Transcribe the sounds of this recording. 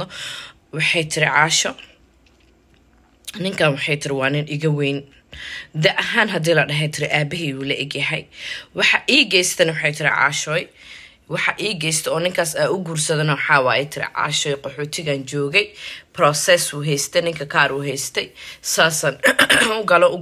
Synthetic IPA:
wɑħɑjt̪ʰɪɾɪʕɑːʃɔ | nɪŋkʰaːnwɑħɑjt̪ʰɪɾɪwɑːnɪnʔɪɣɐwɛjn | d̪ɛʔɐɦaːnɦɐd̪iːlɐɖɐɦɛt̪ʰɪɾɪʔaːbɪɦiːwuːlɐʔɪɡjɐɦɛjwɑħɑʔiːɡɛjst̪ʰɛnɐwɑħɑjt̪ʰɪɾɪ̰ʕɑ̰ːʃɔːj | wɑħɑʔiːɡɛjst̪ʰɛɔːnɪŋkʰaːsaːʊɡuːrsɐðɐnɔħɑːwaːɛt̪ʰɪɾɪ̰ʕɑ̰ːʃɔːjqɔħɔːt̪ʰɪɣaːnt͡ʃɔːɣɛjprɔːsɛsuːɦɛjst̪ʰɛnɪŋkʰɐkʰaːɾuːɦɛjst̪ʰɛjsaːsɐnʊɡɐlɔʊ

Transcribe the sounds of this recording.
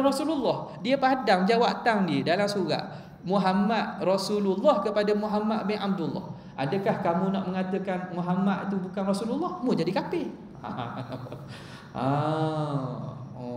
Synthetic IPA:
rɔsululːɔhdiəpadaŋd͡ʒawaʔt̪aŋdiədalamsuɾa̰ʔ | muɦamat̪̚rɔsululːɔhkəpadamuɦamat̪̚bɪnʔab̚dulːɔ̰h | ʔa̰dəkahkamũnaʔməŋat̪əkanmuɦamat̪̚it̪ubukanrɔsululːɔhmud͡ʒadikapɪ | a̰ | a

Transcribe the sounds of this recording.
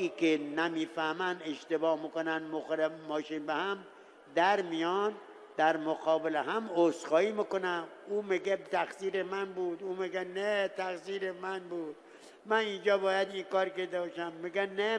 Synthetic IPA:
iːkenæmiːfæhmænd̪eʃt̪ebɒːhmikonænmoxoɾemɒːʃiːnbehæm | d̪æɾmijɒːn | d̪̥æɾmoqɒːbeleɦæmosxɒːiːmikonæmuːmiɡet̪ʰæxsiːɾemænbuːd̪uːmiɡenet̪ʰæxsiːɾemænbuːd̪̥̚ | mænind͡ʒɒːbɒːjæd̪iŋkɒːɾkeɾd̪ebɒʃæmːiɡæne

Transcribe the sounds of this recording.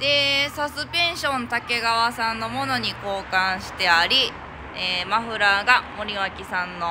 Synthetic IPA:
d̪e̞sasɨpẽ̞ɰ̃ɕõ̞nt̪ake̞ɡaβasãnːo̞mo̞no̞ɲ̟iko̞ːkãɰ̃ɕi̥t̪e̞aɾʲi | eːmaɸɯ̟ɾaɡamo̞ɾʲiβakʲisãnːo̞

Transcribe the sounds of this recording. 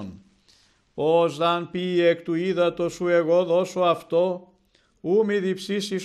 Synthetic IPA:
n | ozðɐnpiekt̪uiðɐt̪osueɣo̞ðo̞soɐft̪o̞ | umiðipsisi

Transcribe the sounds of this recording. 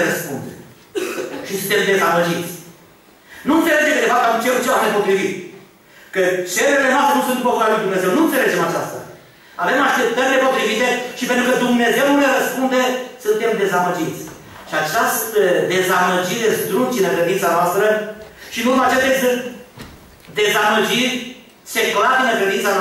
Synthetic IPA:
ɾəspund̪e | ʃisɨnt̪e̞md̪e̞zaməd͡ʒit̪sʲ | nuɨnt̪seled͡ʒemkɨd̪evakamt͡ʃeɾut̪t͡ʃeamnepo̞t̪ɾivit̪ | kət͡ʃeɾelenoast̪enusunpokuɾaeluid̪umne̞ze̞wnuɨnt̪sele̞d͡ʒe̞mat͡ʃast̪a̰ | ave̞maʃt̪e̞p̚t̪əɾʲle̞po̞t̪ɾivit̪e̞ʃipent̪ɾukəd̪umne̞ze̞wnuleɾəspund̪esunt̪e̞md̪e̞zaməd͡ʒit̪sʲ | ʃiat͡ʃast̪əd̪e̞zaməd͡ʒiɾʲezd̪ɾunt͡ʃinəkɾe̞d̪int̪sanoast̪ɾəʃiɨnurmeat͡ʃest̪eesɨnt̪ | d̪e̞zaməd͡ʒirʲ | se̞klad̪inəŋkɾed̪int̪an

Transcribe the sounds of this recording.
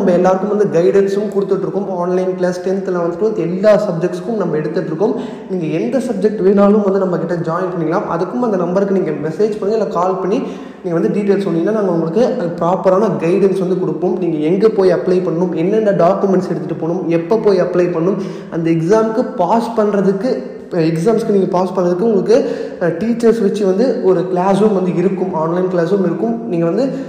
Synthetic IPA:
nɐmbɐɛlːaːɾɯkːɯmʋɐnd̪ɯɡɐɪɽɛnsɯmkʊɽɯt̪ːɯʈːɾɯkːɯmaːnlɐɪnplɐːsʈɛnt̪ɪlɐʋɐnd̪ɯʈːɯʋɐnd̪ɯɛlːaːsɐb̚d͡ʒɛkʈskʊmnɐmbɐɛɽɯt̪ːɯʈːɾɯkːʊm | niːŋɡɐɛnd̪ɐsɐb̚d͡ʒɛk̚ʈʋeːnaːlɯmʋɐnd̪ɯnɐmːɐkɪʈːɐd͡ʒaːɪnpɐɳːɪŋɡɐlãːmʔɐ̰ðɯkːɯmɐnd̪ɐnɐmbɐɾkːɯniːŋɡɐmɛseːd͡ʒpɐɾɯŋɡɐɪlːaːkaːlpɐɳːi | niːɡɐʋɐnd̪ɯɖiːʈeːlspɔnːɪŋɡnaːnaːŋɡɐʊŋɡɐɭɯkːɯɐpɾaːpɐɾaːnɐɡɐɪɽɛnsʋɐnd̪ɯkɔɽɯpːoːmniːŋɡɐɛŋɡɐpoːjɐplɐɪpɐɳːɯmɛnːɛnːɐɖaːkjɯmɛɳʈsɛɽɯt̪ːɯʈːɯpoːɳɯmɛpːopoːjɐplɐɪpɐɳːɯm | ɐ̰nd̪ɐɛksaːmkɯpaːspɐɳɾɐðɯkːɯ | ɛks̬aːmskɯniːŋɡɐpaːspɐɳɾɐðɯkːɯʊŋɡɐɭɯkːɯ | ʈiːt͡ʃːɐɾsʋɐt͡ʃːɯʋɐnd̪ɯɔɾɯkɪlaːsuːmʋɐnd̪ɯɪɾɯkːɯmaːnlɐɪnklaːsuːmɪɾɯkːɯmniːŋɡɐʋɐnd̪ɯ

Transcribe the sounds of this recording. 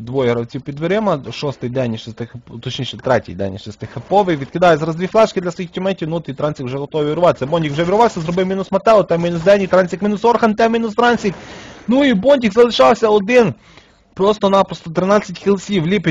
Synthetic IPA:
d̪ʋɔjɛɾɐwt͡sʲiwpʲid̪ʋɪɾɪmɐʃɔst̪ɪjd̪ɛnʲiʃɪst̪ɪxpt̪ɔt͡ʃnʲiʃɛt̪ɾɛtʲḭjd̪ɛ̰nʲiʃɪst̪ɪxepɔʋɪjʋʲid̪̚kɪd̪ɑjɛzɾɐzd̪ʋʲiflˠɛʃkɪd̪lʲɐsʋɔjixtʲɪmɛnʲtʲiwnut̪ɪt̪ɾɑnʲsʲikwʒɛɦɔt̪ɔʋiʋʲɪɾʊʋɑt̪e̥sʲɐbɔnʲdʲikwʒɛʋʲiɾʊʋɑwsʲɐzɾɔbɪwmʲinʊsmɐt̪ɛlˠɔt̪ɛmʲinʊsd̪ɛnʲit̪ɾɑnʲsʲikminʊsɔrxɐnt̪ɛmʲinʊst̪ɾɑnʲsʲiknuibɔnʲdʲikzɐlˠɪʃɑwsʲɐɔd̪ɪn | pɾɔst̪ɔnɑpɾɔst̪ɔt̪ɾɪnɑt͡sʲːɐtʲxʲɪlˠsʲiwlʲipʲ

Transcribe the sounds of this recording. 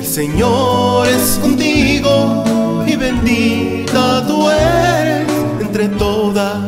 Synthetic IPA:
elseɲoɾeskont̪iɣo | iβend̪i | t̪at̪ueɾes | ent̪ɾet̪oða

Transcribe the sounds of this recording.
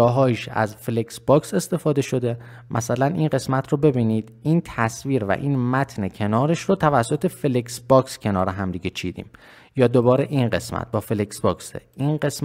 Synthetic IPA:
ɒːɦɒːiʃæ̰zfeleksbɒːkse̞st̪e̞fɒːd̪eʃo̞d̪e̞ | mʔæ̰sælænḭːnɢe̞smæt̪ʰrobe̞biːniːd̪̥iːnt̪ʰæsviːɾvæ̰ʔiːnmæt̪ʰnecʰe̞nɒːɾeʃɾot̪ʰævæsːot̪ʰe̞feleksbɒːkscʰe̞nɒːɾeɦæmd̪iːɟet͡ʃʰiːd̪ḭːm | jɒːd̪obɒːɾe̞ʔiːnɢe̞̰smæ̰t̪̚bɒːfeleksbɒːksḛʔines

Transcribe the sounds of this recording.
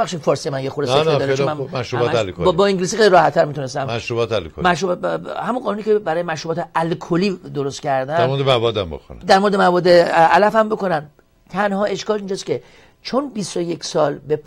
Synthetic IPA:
bæχʃifɒːɾsijemænjexuɾeeed̪ɒːɾt͡ʃemænmæʃɾubɒt̪lkobɒːiŋɟiliːs̬ixejliɾɒːhæt̪ʰːæɾmit̪unest̪æmmæʃɾubɒːt̪ælkʰo̰lmæʃɾubhæmunɢɒːnuniːcebæɾɒːjemæʃɾubɒːt̪eælkʰoliːd̪oɾost̪cʰæɾd̪ænæɾɾmoɾd̪emævɒːd̪æmbo̰ko̰n̰d̪æɾmo̞ɾed̪emævɒːd̪ːeælæfæmbo̞ko̞næn | t̪ʰænhɒːe̞ʃkɒːlind͡ʒɒːscʲʰe̞ | t͡ʃʰonbist̪oje̞kʰsɒːlbe

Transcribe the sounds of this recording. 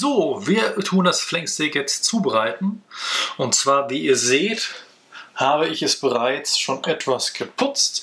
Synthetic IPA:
zoːviːɐtʰuːndasflɛŋstɛkjɛt͡stt͡suːbəʁaɪtn̩ʔʊntt͡sv̥aːɐviːiːɐzeːt | haːbəɪçɛsb̥əʁaɪt͡sʃoːnʔɛtv̥asɡ̥əpʰʊt͡st

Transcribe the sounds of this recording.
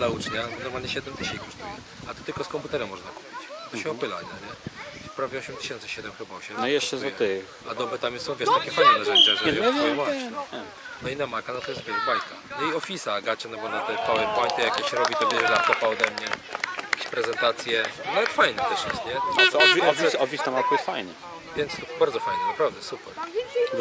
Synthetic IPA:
naut͡ʂɲabɔnɔɾmalɲɛɕɛd̪ɛmt̪ɛɕɛikɔʂt̪ujɛ | at̪ɔ̥t̪ɘlkɔskɔmput̪ɛɾɛmːɔʐnaku̥pʲit͡ɕt̪ɔɕɛɔpɘla̰ɛɲɛfpɾavʲjɛɔɕɛmt̪ɨ̥ɕɛnt̪sɨɕɛd̪ɛmxɨbaɔɕɛmnɔjɛʃt͡ʂɛzɔɛɨ | a̰d̪ɔbɨt̪amsɔ̃w̃vʲɛʂt̪akʲɛfajnɛnaʒɛnt͡ʃɛzɛvɛvɛwaɛ | t̪ɔinamajkanɔt̪ɔjɛst̪vʲjɛzbajka̰nɔiɔfʲisaːɡat͡ɕɛnɔbɔnat̪ɛt̪awɛbwaɲt̪ɛjakʲeɕɾɔbʲit̪ɔbʲjɛʐɛlat̪ɔpaɔd̪ɛmɲɛjjjjakʲeɕpɾɛzɛnt̪at̪sʲjɛnavɛt̪fajnɛt̪ɛʂjɛst̪ɲɛaɛɔfiɔfʲisɔfʲist̪amat̪ujɛsfajnɛ̰ | vʲjɛnt̪sbaɾd̪zɔfajnɛnapɾavd̪ɛsupɛɾ

